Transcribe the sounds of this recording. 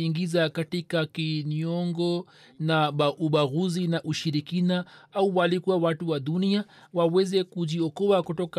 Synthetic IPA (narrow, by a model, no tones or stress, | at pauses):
iŋɡizakatikakiɲɔŋɡɔ | naɓaʔuɓaɣuzinaʔuʃiɾikinaauwalikuwawatuwaɗuniawawɛzɛkuʄiɔkɔakutɔka